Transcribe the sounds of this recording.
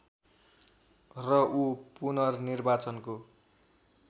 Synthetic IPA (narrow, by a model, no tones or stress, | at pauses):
rʌʔupunʌrnirbat͡sʌnko